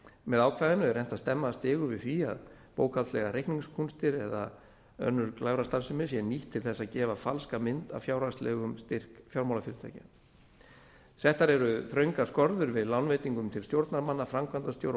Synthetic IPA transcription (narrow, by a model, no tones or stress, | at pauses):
mɛðaːwkʰvaːjðɪnːʏɛɾɛn̥t̪ast̪ɛmːast̪ɪːɣʏvɪðfiːa̰ðpo̰ːwkʰaslɛɣaɾʔejhkniŋskʰunst̪ɪɾɛða̰ | œ̰nːʏɾklaːwɾast̪aɾsɪmɪsjɛniht̪ʰːɪlθɛsːacɛːvafalskamɪnt̪a̰vfjaːwɾaslɛːɣʏmst̪ɪr̥kfjawɾmawlafɪɾʏt̪ʰa̰jcɪ | θɛht̪aɾɛɾʏθɾœɥŋkaskɔɾðʏɾvɪðlawnveːjt̪iŋkʏmt̪ʰɪlst̪jowɾt̪naɾmanːafɾamkʰvant̪ast̪jowɾ